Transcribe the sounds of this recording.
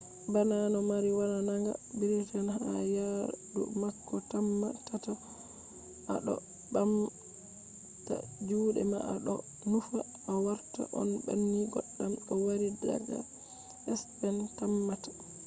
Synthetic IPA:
bananɔmaɾiwananaŋɡa̰biɾitanha̰jadṵmakːɔtamːatata | ʔa̰ɗɔ̰ | bam | ta̰d͡ʒuːɗɛ̰ma̰ʔaɗɔ | nufa | awaɾta̰ʔɔ̰nba̰nːiɡɔ̰ɗːamɔwaɾida̰ɡa̰ | ʔɛspɛntamːatḁ

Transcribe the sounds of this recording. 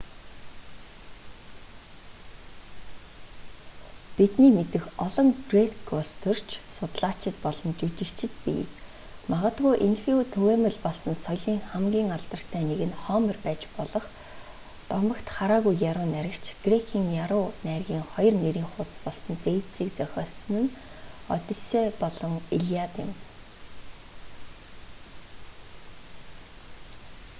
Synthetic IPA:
t̪et̪niːmet̪ɘ̆xɔɮɞ̆ŋɡret̪ɡrɔst̪ʰɵr̥t͡ɕʰsʊt̪ɮaːt͡ɕʰɪ̆t̪pɔɮɞ̆nt͡ɕut͡ɕɪ̆kt͡ɕʰɪ̆t̪pḭ | maʁə̆t̪ɣujʔinxiut̪ʰuweːmə̆ɮpɔɮsɞ̆nsɔjɮiːŋχamɡʲiːŋaɮt̪ə̆r̥t̪ʰæːneɣɘ̆nχɔːmə̆rpæːt͡ɕpɔɮɞ̆χ | t̪ɔmɞ̆kt̪χaɾaːɣujːaɾʊːnæɾʲɪ̆kt͡ɕʰɡ̥rekʰiːŋjaɾʊːnærɣʲiːŋχɔjɞ̆rneɾiːŋχʊːt̪̆spɔɮsɞ̆nt̪ejt̪siːkt͡sœxʲɔːsnɘ̆nɔ̰t̪ʲɪ̆seːpɔɮɞ̆ŋiɮiat̪ɪ̰̆m

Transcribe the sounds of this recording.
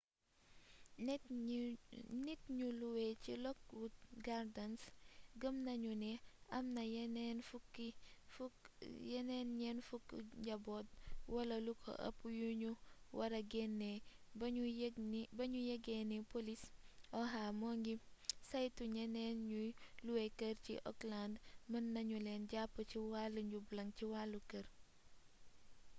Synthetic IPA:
nit̚ɲuluwɛcḭlɔk̚wut̚ɡaɾdɐnsɡəmnɐɲunɛɐmnɐjɛnɛnfuki | jɛnɛnɲɛnfukɟɐbɔt̚wɐlɐlukʰɔ̰ʔɐ̰pːujuɲuwɐɾɐɡɛnːɛb | bɐɲujɐɡɛnipolisɔɦamɔŋɡisajtuɲɛnɛnɲuluwɛkəɾcḭʔɔ̰klandmɐnːɐɲulɛnɟapːət͡ʃiwalːuɲɟublɐŋciwalːukɐɾ

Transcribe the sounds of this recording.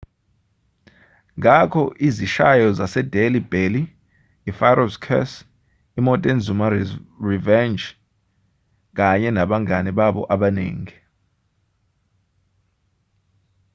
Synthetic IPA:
ŋʱakʰɔʔiziʃajɔzasɛdelib̥eliː | faɾɔskʰɛ̰s | imɔtʼɛnzumarivɛnd͡ʒ | k̬aɲɛnaɓaŋaniɓaɓɔ̰ʔaɓanḛːŋi

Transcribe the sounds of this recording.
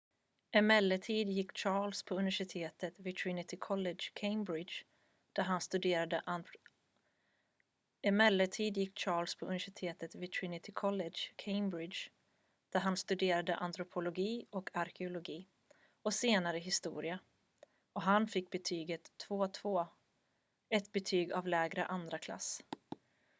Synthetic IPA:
ɛmɛlːət̪ʰiːd̪jɪkːt͡ʃɑːɭspʰɔɵnɪvæʂɪt̪ʰeːt̪ət̪vɪt̪ʰɾinɪt̪ʰɪkʰɔlɛdd͡ʒkʰeɪmbɾɪdʃ | d̪̥æɾɦanst̪ɵd̪eːɾad̪əʔ | ɛmɛlːət̪ʰiːd̪jɪkːt͡ʃɑːɭspʰɔʔɵnvæʂɪt̪ʰeːt̪ət̪vɪt̪ʰɾinɪt̪ʰɪkʰɔlɛdʂkʰeɪmbɾɪdʃ | d̪̥æɾɦanst̪ɵd̪eːɾad̪ə̰ʔant̪ɾʊpʰʊlʊɡiːɔkʰaɾkʰɛʊlʊɡiː | ɔseːnaɾəɦɪst̪ṵːɾɪa | ɔɦanfɪkːbɛt̪ʰyːɡət̪ʰːv̥oːt̪ʰvoː | ɛt̪bɛt̪ʰyːɡavlɛːɡɾə̰ʔand̪ɾakʰla̰sː

